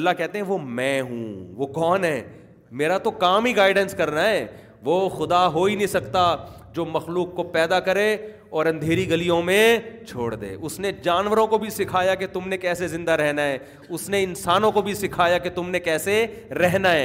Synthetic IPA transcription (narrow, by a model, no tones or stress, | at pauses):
lːakɛɦt̪eɦɛ̃ʋomɛ̃ːɦṵ̃ʋokɔːnɦɛː | meːɾat̪okaːmɦiɡaːɪɖə̃nskɐɾnaɦɛː | ʋoːxʊd̪aɦoːinɦĩsɐkt̪ad͡ʒoːmɐxluːkːopɛːd̪akɐɾe | ɔːɾɐ̃nd̪ʱeːɾiɡɐlijõmẽt͡ʃʰoːɽd̪ḛːʔʊsned͡ʒaːnʋəɾõkobʱisɪkʰaːjaket̪ʊmnekɛːsezɪ̃nd̪aɾɛɦnaɦɛː | ʊsneɪnsaːnõkobʱisɪkʰaːjaket̪ʊmnekɛːseɾɛɦnaɦɛː